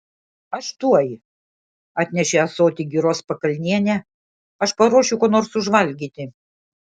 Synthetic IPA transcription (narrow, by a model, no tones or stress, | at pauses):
ɐʃt̪uɔj | ɑːt̪ʲnʲɛʃʲeɐsoːt̪ʲiɡʲiːɾoːspɐkɐlʲnʲiɛnʲɛ | ɐʃpɐɾuɔʃʲʊkoːnoːɾsʊʒʋɐlʲɡʲiːt̪ʲɪ